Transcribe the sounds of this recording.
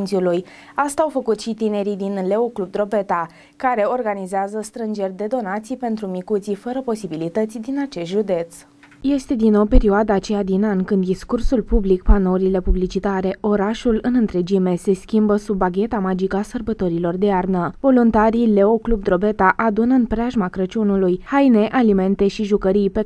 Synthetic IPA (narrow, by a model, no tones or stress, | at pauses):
nt̪sʲuluj | ast̪aːwfəkut̪ʃit̪ine̞ɾid̪inle̞oklub̚d̪ɾo̞be̞t̪a | kaɾe̞o̞rɡanizeazəst̪ɾɨnd͡ʒe̞rʲd̪e̞d̪o̞nat̪sijpe̞nt̪ɾumikut̪sifəɾəpo̞sibilit̪ət̪sʲd̪inat͡ʃe̞st̪ʒud̪e̞t̪s | je̞st̪e̞d̪inːo̞wpe̞ɾioad̪aːt͡ʃe̞jad̪inanʲkɨnd̪ːiskursulpublikpanoɾile̞publit͡ʃit̪aɾe̞ʔo̞ɾaʃulɨnɨnt̪ɾe̞d͡ʒime̞se̞skʲimbəsubːaɡʲe̞t̪amad͡ʒikəasərbət̪o̞ɾilo̞rd̪e̞arnəvo̞lunt̪aɾile̞o̞klubd̪ɾo̞be̞t̪aʔad̪unɨnpɾeaʒmakɾət͡ʃunulujhajne̞ʔalime̞nt̪e̞ʃiʒukəɾijpe